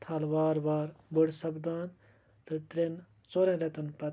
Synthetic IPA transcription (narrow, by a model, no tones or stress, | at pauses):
t̪ʰalʋaːɾʋaːɾbʊɽsɐbd̪aːn | t̪ɐt̪ɾen | t͡soːɾɛ̃ːɾet̪ɐnpɐ